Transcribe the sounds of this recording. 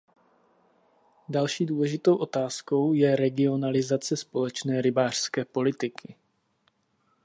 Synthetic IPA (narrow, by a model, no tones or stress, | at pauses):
dalʃiːduːlɛʒɪt̪o̞wʔo̞t̪aːsko̞wjɛɾɛɡɪo̞nalɪzat͡sɛspo̞lɛt͡ʃnɛːɾɪbaːr̝̥skɛːpo̞lɪt̪ɪkʰɪ